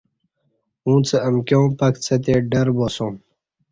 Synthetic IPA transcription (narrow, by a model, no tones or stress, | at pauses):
ũːt͡səɐmkjõːpɐkt͡sʰət̪̬eɖɐɾboːsõːm